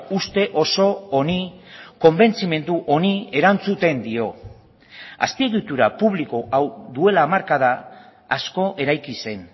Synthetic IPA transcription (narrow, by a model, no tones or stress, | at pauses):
ust̪e̞ʔo̞so̞oniko̞mbe̞nt͡sime̞nd̪uʔo̞nie̞ɾant͡sut̪e̞nd̪io̞ | a̰spieɣit̪uɾapuβ̞liko̞ʔawd̪ue̞laːmaɾkaðaːsko̞ʔe̞ɾajkise̞n